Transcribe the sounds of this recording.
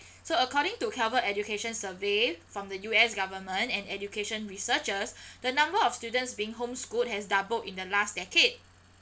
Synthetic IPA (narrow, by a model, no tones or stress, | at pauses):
soəkɔɾɪ̃ŋtukʰɛvəɛdukeʃə̃nsəvefɹɔ̃mdəjuɛsɡavəmə̃ntɛ̃nɛd͡ʒjukeʃə̃nɹisət͡ʃəsdənãmbəɔfstjudə̃ntsbiɪ̃ŋɦõmskut̚hɛsdabəltĩndəlastdɛked̚